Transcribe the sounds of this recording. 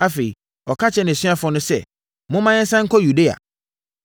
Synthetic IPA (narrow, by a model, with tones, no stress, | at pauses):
a˦fe˨i˨ | ɔ˨kʰa˦t͡ɕʰɛ˨˦nɪ̃˨sɥa˦fʊ˨ɔ˨˦nʊ̃˦sɛ˦ | mʊ̃˦mã˦ɲɪ̃˦sã˦ŋ̩˦kʰɔ˦ju˨de˦a̰˨